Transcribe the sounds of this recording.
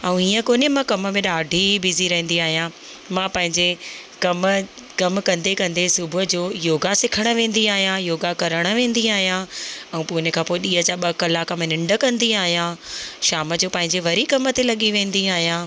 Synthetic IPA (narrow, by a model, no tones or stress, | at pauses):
ɛũiːə̃koːnɪmãkɐmə̆mẽɗaːɖʱibiziɾɐɦə̃nd̪iaːɦijã | mãːpɐ̃ɦɪ̃ɲd͡ʑekɐm | kɐmkɐ̃nd̪ekɐ̃nd̪esʊbʱʊʊd͡ʑoːjoːɡasɪkʰəɽ̃ə̆ʋẽːn̆d̪iaːɦijãjoːɡakɐɾəɽ̃ə̆ʋẽːn̆d̪iaːɦijãɛ̃ũːpuːɪnekʰãːpoːɪɗiːɦət͡ɕaɓɐkəlakɐmnɪ̃ɳɖə̆kɐ̃nd̪iaːɦijãʃaːmə̆d͡ʑoːpɐ̃ɦɪ̃ɲd͡ʑeʋɐɾikɐmət̪elɐɠiʋẽːnd̪iaːɦijãː